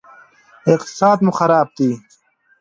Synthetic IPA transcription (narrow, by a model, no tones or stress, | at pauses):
ɪqt̪saːd̪muxɐɾaːb̚t̪iː